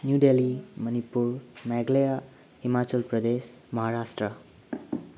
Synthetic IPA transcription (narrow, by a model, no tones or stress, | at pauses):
njuɖelimʌnipuɾmɛɡleja | himat͡ʃəlpɾʌd̪esmʌɦaɾasʈɾə